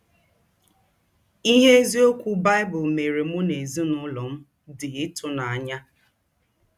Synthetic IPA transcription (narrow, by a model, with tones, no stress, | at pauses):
i˦ɦe˦e˦zi˦o˦kʷu˦ba˦ɪ˦bʊ˨lme˨ɾe˨mʊ˦ne˨zi˦nʊ˦lɔ˨m̩˦ | dɪ˨ɪ˦tʰʊ˦na˨a˨ɲa˦